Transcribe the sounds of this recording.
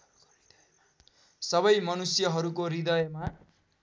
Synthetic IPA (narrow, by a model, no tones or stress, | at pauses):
sʌbʌjmʌnusjʌɦʌɾukoɾid̪ʌjʌma